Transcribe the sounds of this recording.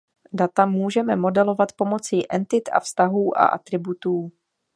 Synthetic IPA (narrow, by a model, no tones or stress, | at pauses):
dat̪amuːʒɛmɛmo̞dɛlo̞vat̪po̞mo̞t͡sɪʔɛnt̪ɪt̪a̰fst̪aɦuːʔa̰ʔa̰t̪ɾɪbut̪uː